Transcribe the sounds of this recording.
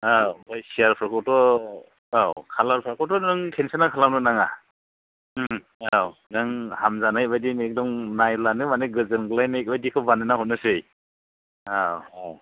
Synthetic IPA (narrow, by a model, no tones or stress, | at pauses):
abajsiaɾpʰɾakʰɔtɔ | awkʰalaɾpʰɾakʰɔtɔnɯŋkʰensanakʰalawnɯnaŋa | awnaŋhamzanajbajdinek̚dɔŋnajlanɯmanɯɡɯzɯnɡɯlajnajk̚bajdikʰɯwbanɯnahɔt̚nɯsɯj | aa